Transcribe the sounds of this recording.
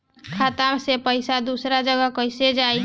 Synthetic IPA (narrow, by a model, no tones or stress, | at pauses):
kʰat̪amsepəjsad̪usɾad͡ʒəɡəkəjsed͡ʒaj